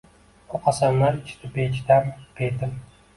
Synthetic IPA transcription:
oqʰɑsamlaɾɪt͡ʃʰt̪ʰɪbet͡ʃd̪ampʰet̪ɪm

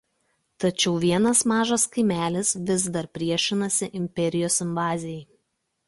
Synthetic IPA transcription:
t̪ɐt͡ʃʲɛʊʋʲiɛnɐsmɑːʒɐskɐɪmʲæːlʲɪsʋʲɪzd̪ɐɾpʲɾʲiɛʃʲɪnɐsʲɪʔɪmʲpʲɛɾʲɪjoːsɪmʋɑːzʲɪjɛɪ

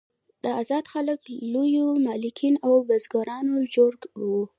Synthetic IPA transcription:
d̪̥əazɑd̪xaləklojomɑlɪkʰinawbazɡɑɾɑnod͡ʒoɾɡwu

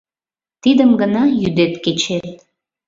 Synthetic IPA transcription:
t̪id̪əmɡənɑjyd̪et̪ket͡ɕet̪

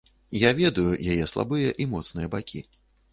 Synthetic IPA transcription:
javʲɛd̪ujujajɛslˠa̰bɨjɐʔimɔt̪snɨjɐbakʲḭ

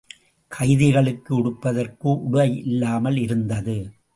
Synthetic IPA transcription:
kʰɐɪðɪɣɐɭɯkːɯʊɽɯpːɐðɐrkɯʔʊɽɯɐɪɪlːaːmɐlɪɾɯnd̪ɐðɯ

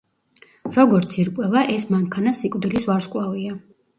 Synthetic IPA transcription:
ɾɔɡɔɾt̪sʰiɾkʼwɛvaʔɛsmaŋkʰanasikʼd̪ilisvaɾskʼlˠavia

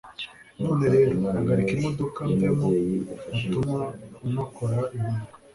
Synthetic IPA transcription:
noːneɾe̞ːɾoaɡaɾikimodokandemoatumaumakoɾaiɦuɡa

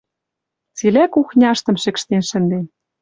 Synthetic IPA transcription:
t͡silʲækuxnʲɑʃt̪ɤ̆mʃɘ̆kʃt̪enʃɘ̆nd̪en

